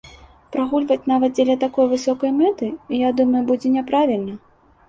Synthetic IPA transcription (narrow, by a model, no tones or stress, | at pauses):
pɾaɣulʲvɐt͡sʲnavɐt̪̚d͡zʲɛlʲɐt̪akɔjvɨsɔkɐjmɛt̪ɨijad̪umɐjubud͡zʲɛnʲɛpɾavʲilʲnɐ